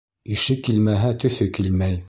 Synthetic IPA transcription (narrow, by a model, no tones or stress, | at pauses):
iʃɘkːilmæɦæt̪ɵ̆θɵkilmæj